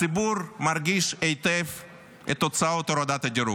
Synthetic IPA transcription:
ibuɾmaɾɡiʃejt̪ef | et̪ːot͡saot̪oɾad̪at̪ad͡ʒeɾṵ

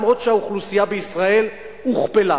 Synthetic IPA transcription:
mʁo̞t̪ʃeauχlusijabeisʁae̞l | uχpela

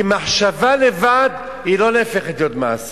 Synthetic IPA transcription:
imaħʃavale̞vad̪ | ilo̞leːfeχet̪jod̪ma̰as

